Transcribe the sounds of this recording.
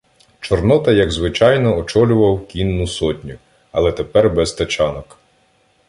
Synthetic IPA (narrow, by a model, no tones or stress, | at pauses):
t͡ʃɔrnɔt̪ɐjɐɡzʋɪt͡ʃɑjnɔɔt͡ʃɔlʲʊʋɐwkʲinːʊsɔtʲnʲʊ | ɐlˠɛt̪epɛrbɛst̪ɐt͡ʃɑnɔk